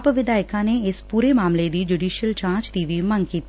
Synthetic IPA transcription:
pʋɪd̪aːɪkãːneːɪspuːɾeːmaːmled̪iːd͡ʒuːɖiːʃijəlt͡ʃãːt͡ʃd̪iːʋiːmə̃ŋɡkiːt̪

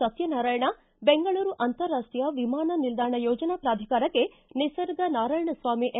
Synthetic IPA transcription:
ɐt̪jɐnaːɾaːjɐɳɐ | beŋɡɐɭuːɾuʔɐnt̪ɐɾːaːsʈjɐʋimaːnɐnild̪ʱaːɳɐjɔːd͡ʒɐnapɾaːd̪ʱikaːɾɐkːe | nisɐɾɡ̪ɐnaːɾaːjɐɳɐsʋaːmiʔ

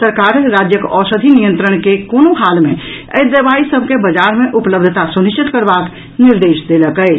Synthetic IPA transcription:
səɾkaɾɾad͡ʒjəkɔsəd̪ʱinijənt̪ɾəɳ̃kekonoɦalmḛ | ə̰jd̪əbaisəbʱkebəd͡ʒaɾmeʔupləbd̪ʱət̪asuniʃt͡ʃit̪kəɾbak | niɾd̪esd̪eləkəɪt͡ʃ

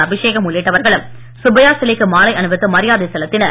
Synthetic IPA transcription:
ɐbɪʂeːɣɐmʊɭːɪʈːɐʋɐɾɣɐɭɯm | sʊbɐjaːsɪlɪkːɯmaːlɐɪʔɐnɯʋɯt̪ːɯmɐɾɪjaːðɐɪsɛlɐt̪ːɪnɐ

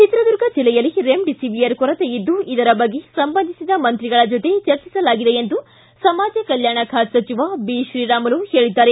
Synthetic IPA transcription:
t͡ʃit̪ɾɐd̪uɾɡɐd͡ʒilːɛjɐlːiɾemɖisiʋijɐɾkɔɾɐt̪ejid̪ːuid̪ɐɾɐbɐɡːe̞sɐmbɐnd̪ʱisid̪ɐmɐnt̪ɾiɡɐɭɐd͡ʒot̪e̞t͡ʃɐɾt͡ʃisɐlaːɡid̪e̞end̪u | sɐmaːd͡ʒɐkɐljaːɳɐkʰaːt̪sɐt͡ʃiʋabiʃɾiːɾaːmɐluhe̞ːɭid̪ːaːɾe

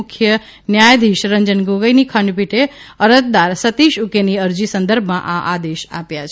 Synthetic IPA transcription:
ʊkʰjə | njajd̪ʱiʃɾəɲd͡ʒənɡoɡəjnikʰəɳɖpiʈe | əɾət̪̚d̪aɾsət̪iʃukeniəɾd͡ʒisənd̪əɾbʱmãʔaʔad̪eʃa̰pjat͡ʃʰe

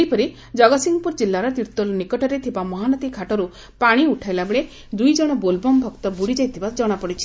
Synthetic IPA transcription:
eipɔɾi | d͡ʒɔɡɔsiŋɡɔpuɾd͡ʒilːaɾɔt̪iɾt̪olnikɔʈɔɾet̪ʰibamɔɦanɔt̪ikʰaʈɔɾu | paɽ̃iuʈʰajlabeɭe | d̪ujd͡ʒɔɽ̃ɔbolbɔmbʱɔkt̪ɔbuɽid͡ʒajt̪ʰibad͡ʒɔɽ̃apɔɽit͡ʃʰi̥

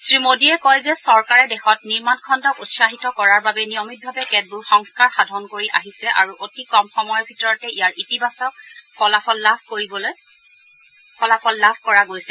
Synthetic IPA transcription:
sɹimodiɛkɔjzɛsɔɹkaɹɛdɛxɔtniɹmankʰɔndɔkutsaxitɔkɔɹaɹbabɛniɔmit̚bʱabɛkɛd̚buɹxɔŋskaɹxadʱɔnkoɹiʔa̰ɦisɛʔa̰ɹuʔotikɔmxɔmɔjɔɹbʱitɔɹɔtɛʔijaɹʔitibasɔkpɔlapʰɔlːabʰʱkoɹibɔlo | pʰɔlapʰɔlːabʱkɔɹaɡojsɛ

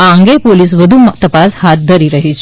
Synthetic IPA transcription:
ãŋɡepoliːs̬ʋəd̪ʱumt̪əpashat̪̚d̪ʱəɾiːɾəɦit͡ɕ

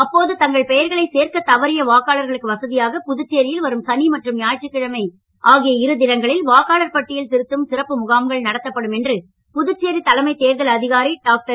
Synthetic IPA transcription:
ɐpːoːðɯt̪ɐŋɡɐɭpɛjɐɾɣɐɭɐɪseːɾkɐt̪ɐʋɐɾɪjɐʋaːkːaːlɐɾɣɐɭɯkːɯʋɐsɐðɪjaːɣɐpʊðɯt͡ʃːeːɾɪjɪlʋɐɾɯmsɐnimɐʈrɯmjaːɻʈt͡ʃːɪkːɪɻɐmɐɪ | ʔaːɣɪjɐɪɾɯd̪ɪlɐŋɡɐɭɪlʋaːkaːɭɐɾpɐʈːɪjɪlt̪ɪɾɯt̪ːɯmsɪɾɐpːɯmʊɣaːmɡɐɭnɐɽɐt̪ːɐpːɐɽɯmɛndrɯ | pʊðɯt͡ʃːeːɾit̪ɐlɐmɐɪt̪eːɾɣɐlɐðɪɣaːɾiɖaːk̚ʈɐɾ

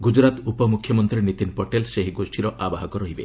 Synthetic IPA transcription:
ɡud͡ʒɾat̪upɔmukʰːjɔmɔnt̪ɾinit̪inpɔʈelseɦiɡosʈʰiɾɔʔabaɦakɔɾɔɦibe

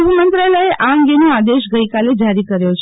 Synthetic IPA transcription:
ʋumənt̪ɾaləeʔaəŋɡenoad̪eʃɡəikaled͡ʒaɾikəɾjot͡ʃʰ

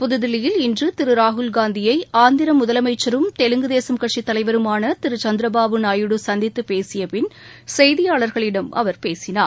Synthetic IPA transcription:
pʊðɯðɪlɪjɪlɪndrɯt̪ɪɾɯɾaːɦʊlɡaːnd̪ɪjɐɪaːnd̪ɪɾɐmʊðɐlɐmɐɪt͡ʃːɐɾɯmt̪ɛlɯŋɡɯðeːsɐmkɐʈt͡ʃit̪ːɐlɐɪʋɐɾɯmaːnɐt̪ɪɾɯt͡ʃɐnd̪ɪɾɐbaːʋɯnaːjɯɽɯsɐnd̪ɪt̪ːɯpeːsɪjɐpɪn | sɐjðɪjaːɭɐɾɣɐɭɪɽɐmʔɐ̰ʋɐɾpeːsɪna̰ːɾ

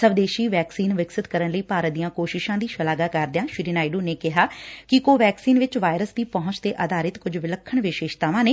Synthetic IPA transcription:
səʋd̪eːʃiːʋɛːksiːnʋɪksɪt̪kəɾənləiːpaːɾət̪̚d̪ijãːkoːʃɪʃãːd̪iːʃəlaːɡaːkəɾd̪ejãːʃɪɾiːnaːɪɖuːneːkɪɦaːkɪkoːʋɛːksiːnʋɪt͡ʃʋaːjɾəsd̪iːpɔɦʊ̃nt͡ʃt̪eːʔəd̪aːɾɪt̪kʊd͡ʒʋɪləkʰːəɳʋɪʃeːʃt̪aːʋãːneː

